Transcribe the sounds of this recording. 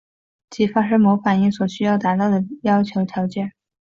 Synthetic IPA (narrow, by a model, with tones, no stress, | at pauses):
t͡ɕi˥˩fa˥ʂ̬ɤ˥mo˧˥ʊfa˨˩ni˥˩ŋswɔ˨˩ɕy˥jɑ˥˩ʊt̪a˧˥t̪ɑ˥˩ʊd̪ə˩jɑ˥ʊt͡ɕʰjo˧˥ʊt̪ʰjɑ˧˥ʊt͡ɕjɛ˥˩n